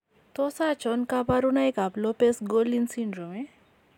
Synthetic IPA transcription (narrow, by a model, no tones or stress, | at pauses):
t̪ɔsat͡ʃɔnkapaɾunajkaplɔpesɡolinsiɳɖɾɔme